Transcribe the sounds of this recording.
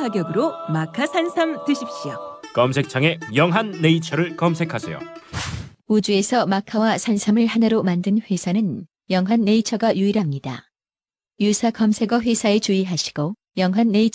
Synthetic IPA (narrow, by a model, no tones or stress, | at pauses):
aɡjʌɡɯɾomakʰasʰansʰamtɯɕʰip̚ɕ͈iokʌmsʰe̞k̚t͡ɕʰaŋe̞jʌŋɦanːeit͡ɕʰʌɾɯɭkʌmsʰe̞kʰasʰejo̰ | ud͡ʑue̞sʰʌmakʰawasʰansʰamɯɭhanaɾomandɯnɸwe̞sʰanɯn | jʌŋɦanːe̞it͡ɕʰʌɡajuiɾɦamɲida̰ | jusʰakʌmsʰe̞ɡʌɸwe̞sʰae̞t͡ɕuiɦaɕʰi̥ɡ̥o | jʌŋɦanːe̞it͡ɕ